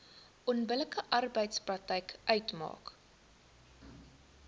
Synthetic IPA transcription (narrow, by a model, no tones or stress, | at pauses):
ʔɔnbələkəʔɐrbəjtsprɐk̚tɛjkʔœɥtmɑ̰ːk